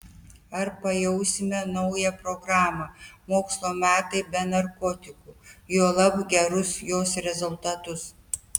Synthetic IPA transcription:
ɐɾpɐjɛʊsʲɪmʲɛnɒʊjɛpɾoɡɾɑːmɐmoːkslˠoːmʲæːt̪ɐɪbʲɛnɐɾkoːt̪ʲɪkuːjoːlˠɐbɡʲɛɾʊsjoːsɾʲɛzʊlˠt̪ɐt̪ʊs

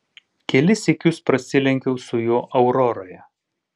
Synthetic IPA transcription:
kʲɛlʲɪsʲɛkʲʊspɾɐsʲɪlʲɛŋʲkʲɛʊsʊjoːʔɐʊɾɔɾoːjɛ

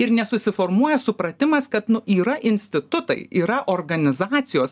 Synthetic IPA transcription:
ɪɾnʲɛsʊsʲɪfoːɾmuɔjɛsʊpɾɐt̪ʲɪmɐskɐt̪nʊiːɾɐʔɪnʲsʲt̪ʲɪt̪ʊt̪ɐ̰ɪiːɾɐʔoːrɡɐnʲɪzɑːtsʲɪjoːs

